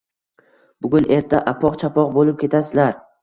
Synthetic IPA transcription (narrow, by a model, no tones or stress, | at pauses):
b̥ʊɡʲʊnʔe̞ɾt̪ʰaʔapʰɒqt͡ʃʰapɒqbolɪp̚kʲʰe̞t̪ʰasɪlaɾ